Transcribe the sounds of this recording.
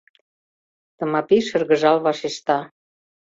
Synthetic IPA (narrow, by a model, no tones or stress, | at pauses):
t̪ə̆mɑpiʃə̆rɣə̆ʒɑlβɑʃeʃt̪ɑ